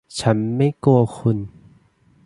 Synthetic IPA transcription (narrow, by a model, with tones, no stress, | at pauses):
t͡ɕʰa˦˥nma˥˩˨jku˧˩ɐxʰu˧˩˨n